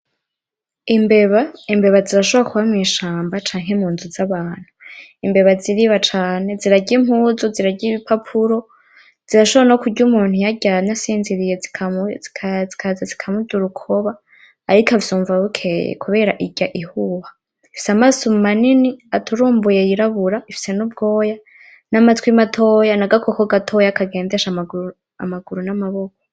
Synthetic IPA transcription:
imbe̞βaimbe̞βaziɾaʃoβakuβamŋiːʃaːmbat͡ʃaːŋ̥emuːnzuzaβaːn̥huimbe̞βaziɾiβat͡ʃaːne̞ziɾaɟimhuːzuziɾaɟiβipapʰuɾo̞ | z̥iɾaʃoβanokuɟumuːn̥hujaɟanasiːnziɾijei | zikʰazazikʰamuduɾukʰoβaː | ɾikʰavzuːɱvaβukʰejḛkʰuβe̞ɾaʔiɟaʔihuːha | ifi̥samasommaniniatuɾuːmbujejiɾaβuɾaifi̥se̞nub̚ɡo̞ːja | namatwimatʰoːjanaɡakokoɡatʰo̞jakaɡe̞ːndeʃamaɡu | a̰maɡuɾunamaβo̞kʰo̥

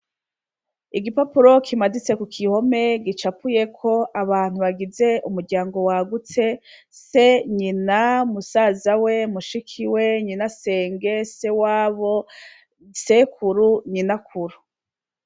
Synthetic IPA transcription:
iɡipapuɾo̞kʰimadit͡se̞kukʰiho̞me̞ɡit͡ʃapʰuje̞kʰo̞ʔaβaːn̥huβaɡize̞ʔumuɾɟaːŋɡo̞waɡut͡se̞ | seɲinamusazawe̞muʃikʰiwe̞ɲinase̞ːŋɡe̞se̞waːβo | sekuɾuɲinakʰuɾu

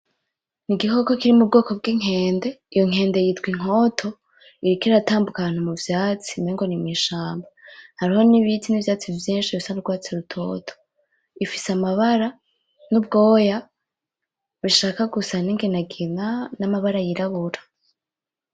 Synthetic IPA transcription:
niɡiɦo̞ko̞kiɾimub̚ɡo̞ːko̞b̚ɡiŋ̥he̞ːnde̞ijo̞ŋ̥e̞ːnde̞jitɡwiŋ̥o̞tʰo̞ | iɾikiɾataːmbukaβaːn̥humuvjaːt͡si̥neŋɡo̞nimiʃaːmbahaɾiho̞niβitʰinivjaːt͡sivjiːnʃiβisanuɡwaːt͡seɾutʰo̞̰ːtʰo̥ | ifi̥samaβaɾa | nubɡo̞ːja | βiʃaːkaɡusaniŋɡenaɡinanamaβaɾajiɾaβuɾḁ

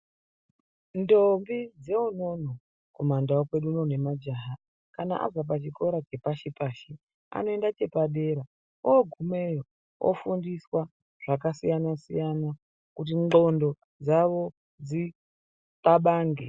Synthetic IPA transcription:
ndombid͡ze̞uno̞no | komandaokwe̞ɗuːno̞ne̞mad͡ʒaːɦa | kanaʔa̰vap̬at͡ʃiko̞ɾat͡ʃe̞paʃipaːʃi | a̰no̞e̞ndat͡ʃe̞paɗe̞ɾa | oɡʱume̞jo | o̰fundiswa | ʐ̥akasijanasḭjana | kut̬io̞ndo̞ | d͡zaʋo̞ | d͡zi | taɓaːŋɡḛ

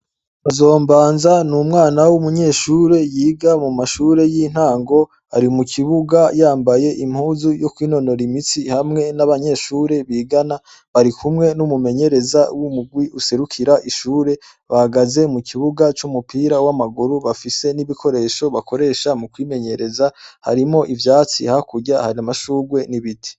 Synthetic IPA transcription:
βazo̞ːmbaːnzanumŋaːnawumuɲe̞ːʃuːɾe̞jiːɡamumaʃuːɾe̞jin̥haːŋɡo̞ | aɾimukʰiβuɡajaːmbaje̞ʔim̥huːzujo̞kwiːno̞no̞ɾimit͡sihamŋe̞naβaɲe̞ːʃuːɾe̞βiːɡana | βaɾikʰumŋe̞numume̞ɲe̞ɾe̞zawumuɡwiʔuse̞ɾukʰiɾaʔiʃuːɾe̞ | βahaɡaze̞mukʰiβuɡat͡ʃumupiːɾawamaɡuɾuβafise̞niβikʰo̞ɾe̞ʃo̞βakʰo̞ɾe̞ʃamukwiːme̞ɲe̞ɾe̞zaha̰ɾimo̞ʔivjaːt͡sḭhakuɟahaɾiamaʃuːɡwe̞niβitʰi̥

